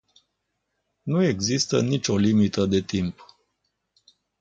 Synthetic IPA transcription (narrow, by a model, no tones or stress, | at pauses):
nue̞ɡzist̪ənit͡ʃʲo̞limit̪əd̪e̞t̪imp